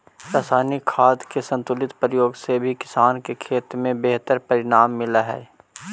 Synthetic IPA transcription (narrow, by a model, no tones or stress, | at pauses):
ɾaːsaːnikʰaːd̪kesɐ̃nt̪ʊlɪt̪pɾəjoːɡsebʱikɪ̥saːnkekʰeːt̪ɾmẽbeɦt̪əɾpɐɾɪɽ̃aːmːɪlaɦɛ̰ː